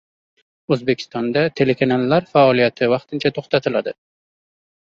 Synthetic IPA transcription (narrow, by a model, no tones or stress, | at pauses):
ɵzbe̞kʲʰɪ̥st̪ɒnd̪at̪ʰe̞le̞kʰanalˠːaɾfaɒlijat̪ʰɪvɑqt̪ʰɪnt͡ʃʰat̪ʰoχt̪at̪ʰɪlad̪ɪ